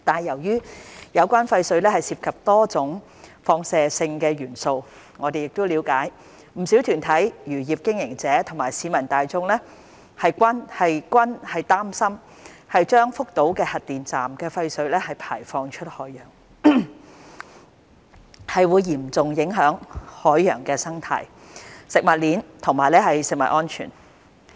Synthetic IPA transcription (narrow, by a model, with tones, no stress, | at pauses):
t̪aː˨njɐ˨˩wjyː˥jɐ˨˧wkʷaː˥nfɐ˧jsɵ˨˧ɥlɛː˥hɐ˨˩jsiː˧p̚kʰɐ˨p̚t̪ɔː˥t͡sʊ˨˥ŋ | fɔː˧ŋsɛː˨sɪ˧ŋkɛː˧ɥyː˨˩nso˧w | ŋɔː˨˧d̪e˨jɪ˨k̚t̪o˥wliː˨˧wkaː˨˥j | m̩˨˩si˨˥wt̪ʰyː˨˩nt̪ʰɐ˨˥jjyː˨˩jiː˨˩p̚kɪ˥ŋjɪ˨˩ŋt͡sɛː˨˥t̪ʰʊ˨˩ŋmaː˨˩jsiː˨˧mɐ˨˩nt̪aː˨jt͡sʊ˧ŋlɛː˥ | hɐ˨jkʷɐ˥nhɐ˨jkʷɐ˥nhɐ˨jt̪aː˥msɐ˥m | hɐ˨jt͡ʃœː˥ŋfʊ˥k̚t̪o˨˥wkɛː˧hɐ˨t̚t̪ːiː˨nt͡saː˨mkɛː˧fɐ˧jsɵ˨˥ɥlɛː˥hɐ˨jpʰaː˨˩jfɔː˧ŋt͡ʃʰɵ˥t̚hɔː˨˥jœː˨˩ŋ | hɐ˨jwuː˨˧jːiː˨˩mt͡sʊ˨ŋjɪ˨˥ŋɦœː˨˥ŋhɔː˨˥jːœ̰ː˨˩ŋkɛː˧sɐ˥ŋt̪ʰa̰ː˨˩j | sɪ˨k̚mɐ˨t̚liː˨˥nt̪ʰʊ˨˩ŋmaː˨jlɛː˥hɐ˨jsɪ˨k̚mɐ̰˨t̚ʔɔː˥nt͡ʃʰy̰ː˨˩n